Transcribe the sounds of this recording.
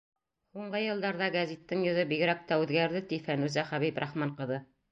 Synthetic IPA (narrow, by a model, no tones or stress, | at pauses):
huɴɢɤjɤ̆lˠd̪ɑɾðɑɡæzit̪ːɘŋjŏðɤbiɡɾæk̚t̪æʉðɡæɾðɘt̪ifænʉzæχæβipɾʔɑχmɑɴqɤ̆ðɤ